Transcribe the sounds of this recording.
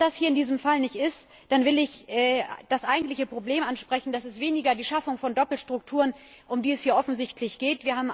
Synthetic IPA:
d̥ashiːɐɪndiːzəmfalnɪçtɪst | d̥anvɪlɪçʔɛːd̥asʔaɪɡŋ̩tlɪçəpʁ̥obleːmʔanʃpʁ̥ɛçn̩d̥asɪstv̥eːnɪɡɐdiːʃafʊŋfɔndɔpl̩ʃtʁ̥ʊk̚tʰuːʁən | ʔʊmdiːɛshiːɐʔɔfn̩zɪçtʰlɪçɡ̥eːtviːɐhaːbm̩

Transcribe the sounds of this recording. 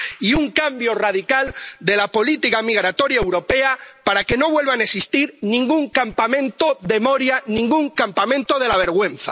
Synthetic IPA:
iuŋkambjo̞raðikald̪e̞lapo̞lit̪ikamiɣ̞ɾat̪o̞ɾjaewɾo̞pe̞apaɾake̞no̞βwe̞lβanesist̪iɾnĩŋɡuŋkampamẽ̞nt̪o̞ðe̞mo̞ɾjanĩŋɡuŋkampamẽ̞nt̪oðe̞laβ̞e̞ɾɣ̞wẽ̞nθa̰

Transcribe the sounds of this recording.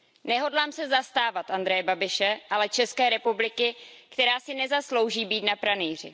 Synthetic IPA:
nɛɦo̞dlaːmsɛzast̪aːvat̪ʔand̪ɾɛjɛbabɪʃɛʔalɛt͡ʃɛskɛːɾɛpublɪkɪkt̪ɛɾaːsɪnɛzaslo̞wʒiːbiːt̪napɾaniːr̝ɪ̰

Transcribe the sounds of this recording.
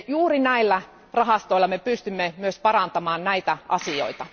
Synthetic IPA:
juːrinæilːæ | rɑɦɑst̪oilːɑmepyst̪ymːemyøspɑrɑnt̪ɑmɑːnnæit̪æʔɑsio̰it̪ɑ

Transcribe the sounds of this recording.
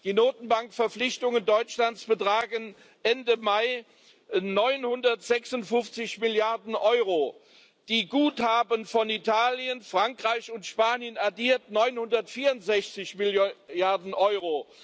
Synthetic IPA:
d̥iːnoːtn̩baŋkfɛɐflɪçtʊŋəndɔʏt͡ʃlantt͡sb̥ətʁ̥aːɡən | ʔɛndəmaɪ | nɔʏnhʊndɐtz̥ɛksʊntfʊnft͡sɪçmɪljaɐdn̩ʔɔʏʁo | d̥iːɡuːthaːbənfɔnitʰaːljənfʁ̥aŋkʁ̥aɪçʊntʃpaːnjənaɐdiːɐtnɔʏnhʊndɐtfiːɐʊntz̥ɛçt͡sɪçmɪljaɐdn̩ʔɔʏʁo

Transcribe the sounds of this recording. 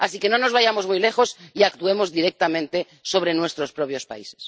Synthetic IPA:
asike̞no̞no̞zβaʝamo̞zmujle̞xo̞siakt̪ue̞mo̞zðiɾek̚t̪amẽnt̪e̞ | so̞β̞ɾe̞nwe̞st̪ɾo̞spɾopjo̞spa̰ise̥s

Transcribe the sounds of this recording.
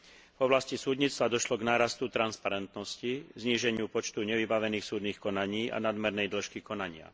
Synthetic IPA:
vɔblascisuːd̪ɲiːt͡st̪ʋad̪ɔʃlɔɡnaːɾast̪ut̪ɾanspaɾɛnt̪nɔscizɲiːʒɛɲɪupɔt͡ʃt̪uɲɛʋibaʋɛniːxsuːd̪niːxkɔnaɲiːa̰nad̪mɛɾnɛjd̪l̩ʃkikɔnaɲɪa̰

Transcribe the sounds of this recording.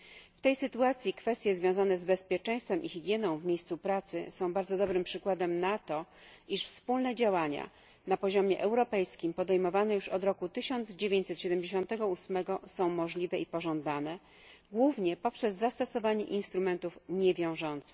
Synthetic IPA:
ft̪ɛjsɘt̪uat̪sʲjikfɛst̪jɛzvʲjɔ̃w̃zanɛzbɛspʲjɛt͡ʂɛ̃j̃st̪fɛmʔixiɡʲjɛnɔ̃w̃vmʲjejst̪supɾat̪sɘsɔ̃w̃baɾd̪zɔd̪ɔbɾɘmpʂɘkwad̪ɛmnat̪ɔiʂfspulnɛd͡ʑawaɲa̰ | napɔʑɔmʲjɛʔɛwɾɔpɛjskʲimpɔd̪ɛjmɔvanɛjuʂɔd̪ɾɔkut̪ɘɕɔnd̪zd͡ʑevʲjẽɲt͡ɕsɛt̪ɕɛd̪ɛmd͡ʑeɕ̬ɔ̃nt̪ɛɡɔusmɛɡɔsɔ̃w̃mɔʐlʲivɛipɔʐɔnd̪anɛ | ɡwuvɲɛpɔpʂɛzːast̪ɔsɔvaɲɛʔinst̪ɾumɛnt̪ufɲɛvʲjɔ̃w̃ʐɔnt̪sɘ̥x

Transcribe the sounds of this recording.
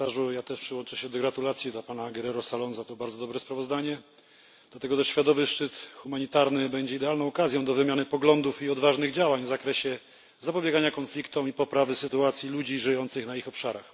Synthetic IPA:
aʐujat̪ɛʂpʂɘwɔnt͡ʂɛɕɛd̪ɔɡɾat̪ulat̪sʲjid̪lapanaɡɛɾɛɾɔsalɔnzat̪ɔbaɾd̪zɔd̪ɔbɾɛspɾavɔzd̪aɲɛ | d̪̥lat̪ɛɡɔt̪ɛʂɕfʲjad̪ɔvɘʂt͡ʂɘt̪xumaɲit̪aɾnɘbɛɲd͡ʑɛid̪ɛalnɔw̃ɔkazʲjɔ̃w̃d̪ɔvɘmʲjanɘpɔɡlɔnd̪ufiɔd̪vaʐnɘɣd͡ʑawaɲvzakɾɛɕɛ | zapɔbʲjɛɡaɲakɔnflʲikt̪ɔwipɔpɾavɘsɘt̪uat̪sʲjilud͡ʑiʐɘjɔnt̪sɘxnaixɔpʂaɾa̰x

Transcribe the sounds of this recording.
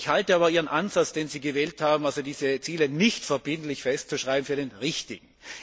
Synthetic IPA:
ɪçhaltəaːbɐʔiːʁ̞ənʔanzat͡sd̥eːnziːɡəvɛːlthaːbm̩alzodiːzət͡siːlənɪçtfɛɐbɪntlɪçfɛstt͡suʃʁaɪbm̩fyːɐdeːnʁɪçtɪɡŋ̩

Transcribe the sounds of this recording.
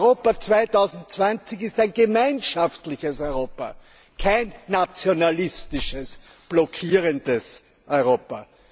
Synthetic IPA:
ʁoːpɐt͡sv̥aɪtɑʊzn̩t̚t͡sv̥ant͡sɪçɪstæɪnɡəmaɪnʃaftlɪçəsɔʏʁoːpɐ̰ | kʰaɪnːat͡sjonalɪstɪʃəsb̥lɔkʰiːʁəndəs | ʔɔʏʁoːpɐ

